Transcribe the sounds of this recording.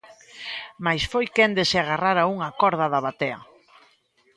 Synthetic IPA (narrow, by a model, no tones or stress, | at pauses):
majsfojkend̪eseaɣaraɾauŋakɔɾðɐðaβat̪eɐ̰